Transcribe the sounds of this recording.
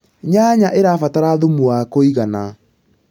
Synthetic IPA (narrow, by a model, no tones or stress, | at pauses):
ɲaɲaʔeɾafataɾaðomuakoiɣana